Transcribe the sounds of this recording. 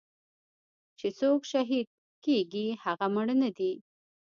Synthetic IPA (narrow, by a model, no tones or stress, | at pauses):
t͡ʃet͡sokʃaɦid̪̚ | keɡihaɣaməɽənad̪i